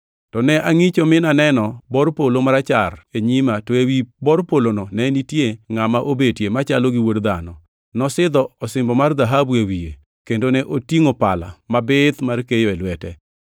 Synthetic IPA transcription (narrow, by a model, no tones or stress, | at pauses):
tɔnɛʔaŋit͡ʃomɪnanɛnɔbɔrpolomaɾat͡ʃa̰reɲimatɔewibɔɾpolonɔnɛnitjeŋamaʔobetjemat͡ʃaloɡiwodd̪anɔ̰ | nɔsɪd̪ɔɔsɪmbɔmard̪aɦabuewije | kendonɛʔotiŋopala̰mabɪt̪markejɔɛlwɛtɛ